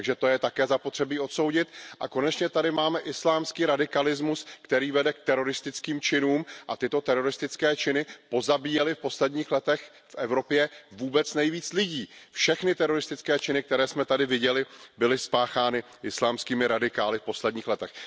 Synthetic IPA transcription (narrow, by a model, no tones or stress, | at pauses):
t̪aɡʒɛt̪ojɛt̪akɛːzapot̪r̥ɛbiːo̞t̪so̞wɟɪt̪ʔako̞nɛt͡ʃɲɛt̪adɪmaːmɛʔɪslaːmskiːɾadɪkalɪzmuskt̪ɛɾiːvɛdɛk̚t̪ɛɾo̞ɾɪst̪ɪt͡skiːmt͡ʃɪnuːmʔat̪ɪt̪o̞t̪ɛɾo̞ɾɪst̪ɪt͡skɛːt͡ʃɪnɪpo̞zabiːjɛlɪfpo̞slɛdɲiːxlɛt̪ɛx | fʔɛvɾo̞pjɛvuːbɛt͡snɛjviːt͡slɪɟiːfʃɛxnɪt̪ɛɾo̞ɾɪst̪ɪt͡skɛːt͡ʃɪnɪk̚t̪ɛɾɛːsmɛt̪adɪvɪɟɛlɪbɪlɪspaːxaːnɪ | ʔɪslaːmskiːmɪɾadɪkaːlɪfpo̞slɛd̚ɲiːxlɛt̪ɛx